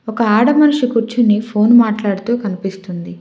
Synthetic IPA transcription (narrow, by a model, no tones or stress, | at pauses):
ɔkɐaːɽɐmɐnuʂikuɾt͡ʃinːipʰo̞ːnmaːʈlaːɽut̪uːkɐnipist̪und̪i